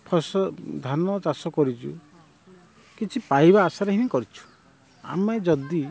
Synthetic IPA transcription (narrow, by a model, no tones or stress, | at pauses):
pʰɔsɔd̪ʱanɔt͡ʃasɔkɔɾit͡ʃṵ | kit͡ʃʰipaibaːsaɾeɦinikɔɾit͡ʃʰu̥ | a̰med͡ʒɔd̪i